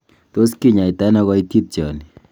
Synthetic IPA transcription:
to˦ski˦ɲa˨i˨ta˦nɔ˦ɣɔ˦i˦ti˦t̚t͡ʃɔ̰˨ni˨

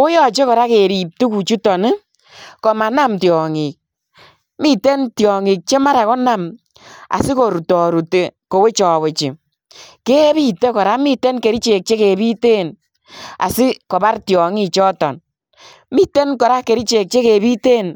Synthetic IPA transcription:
o˦jɔ˦t͡ʃe˦kɔ˨ɾa˦ke˨ɾi˨p̚tu˦ku˨t͡ʃu˦tɔ˨nɪ˦ | kɔ˨ma˨na˦mtjɔ˨ŋi˨k̚ | mi˦te˦ntjɔ˨ŋi˨k̚t͡ʃe˦ma˦ɾa˨kɔ˦na˦m | a̰˨sɪ˦ko˨ɾu˨tɔ˨ɾu˨te˨ko˨we˦t͡ʃɔː˨we˨t͡ʃɪ˨ | ke˦βi˦te˦kɔ˨ɾa˦mi˦te˦nke˨ɾi˦t͡ʃe˨k̚t͡ʃe˦ke˨βi˦te˦˨n | a̰˨sɪ˦kɔ˨ba˦ɾtjɔ˨ŋi˦t͡ʃɔ˦tɔ̰˨n | mi˦te˦nkɔ˨ɾa˦ke˨ɾi˦t͡ʃe˨k̚t͡ʃe˦ke˨βi˦te˦˨n

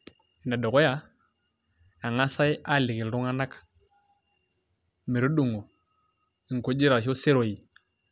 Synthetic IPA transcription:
i˨na˨do˨ko˦ja˦ | a˨ŋa˦sa˦jʔa˦˨li˨ki˨lɾu˦ŋa˦na˦kḁ˨ | me˨ɾu˦ɗu˦˨ŋo˨ | i˨ŋ˨ko˦d͡ʒi˦ɾa˨ʃo˦se˦ɾo˨i˨

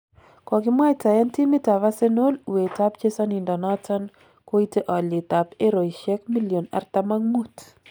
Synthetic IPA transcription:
kɔ˨kɪ˦mwa˦ta˨jɛ˦nti˦mi˦ta˨βa˦se˦no˦lu˨we˨ta˦pt͡ʃe˦sa˦ni˨ndɔ˨nɔ˦tɔ˦n | ko˦i˦te˦ʔɔ˨li˨ta˨pe˦ɾo˨i˨ʃɛ˦kmi˦lio˨na̰˨rta˦ma˦ŋmu˦t

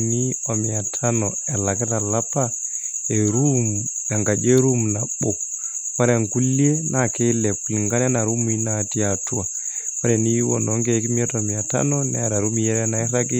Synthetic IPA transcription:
ni˦ɔ˨mi˨a˨tʰa˦nɔ˨ɛ˨la˨kɛ˦ta˨la˦pa | e˨ɾuma˨ŋɡa˨d͡ʒe˦ɾu˦mna˨ɓo˨ | wa˦ɾɛŋku˦li˦e˦nakɛ˦lɛ˨pli˨ŋɡa˦n˦a˦na˨ɾu˦mu˦i˦nati˦a˨tu˦a˨ | wa˦ɾɛ˨ni˦wɔ̰˨nɔ˦ŋɡɛ˦ki˦mi˦ɛ˦tɔ˨mi˨a˨ta̰˦nɔnɛ̰˦a˨ɾa˨ɾu˦mi˦jɛ˦ɾɛna˦ɛ˦ɾa˦ɡi˦

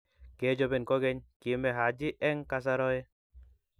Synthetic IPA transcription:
ke˨˦d͡ʒɔ˧bɛ˨nkɔ˦ɡɛ˦ɲki˨˦mɛ˨ɦa˨˦d͡ʒi˦ʔɛ˦ŋka˧s̬a˦ɾɔ˦ɛ˦

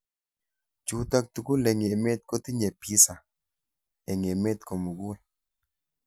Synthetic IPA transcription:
t͡ʃu˨t̪a˦k̚t̪u˨ku˦le˨ŋ˨e˨me˦t̪̚ko˦t̪i˦ɲe˨pi˦sa˨ | e˨ŋ˨e˨me˦t̪̚ko˨mu˨ɡu˦e˨

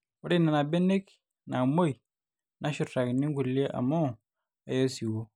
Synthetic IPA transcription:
u˦ɾi˦na˨na˨be˦ne˦k | na˨mo˦j | nʔa˦ʃu˨ta˨kni˦ŋɡu˨li˦e˦ʔa̰˨mo˦˨ | e˨˦jo˦si˨wo˦

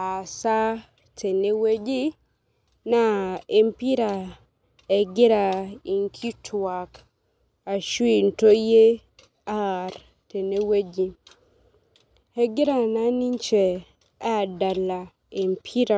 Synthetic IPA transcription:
a˨sa˦ | tʰe˨ne˦we˦d͡ʒi˦ | na˦˨e˨mpi˦ɾa˨ | ɛ˨ɡɪ˦ɾa˨i˨ŋkʰi˦tʰwwa˨k | a˨ʃwi˦nto˦je˦ | a˦r | te˨ne˦we˦d͡ʒi˨ | ɛ˨ɡɪ˦ɾa˨na˦ni˦ɲt͡ʃɛ˨ | a˦˨da˨la˨ | e˨mpʰi˦ɾa˦˨

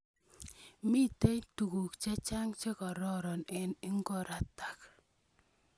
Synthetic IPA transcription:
mi˦te˦jtu˨ku˨kt͡ʃe˦t͡ʃa˦ŋt͡ʃe˦kɔ˨ɾɔ˦ɾɔ˨nɛ˨ni˦ŋɡɔ˦˨ɾa˨ta˨k

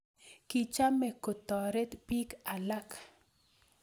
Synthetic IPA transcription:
ki˨t͡ʃa˦me˨ko˨t̪ɔ˨ɾe˦t̪pi˦ka˨la˦k

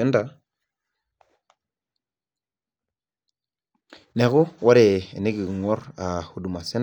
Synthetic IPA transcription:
e˦nda˨ | ne˨ɣʊ˦wa˦ɾe˨ḛ˨ne˦ɡi˨ɡŋɔ˦ɾa˨hu˨du˨ma˨se˦n

